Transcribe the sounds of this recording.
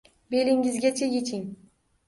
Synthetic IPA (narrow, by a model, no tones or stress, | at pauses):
be̞lɪŋɪzɡʲat͡ʃʰaje̞t͡ʃʰɪŋ